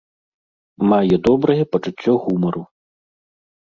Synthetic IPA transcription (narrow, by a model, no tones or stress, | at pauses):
majɛd̪ɔbɾɐjɛpɐt͡ʂut͡sʲːɔɣumɐɾu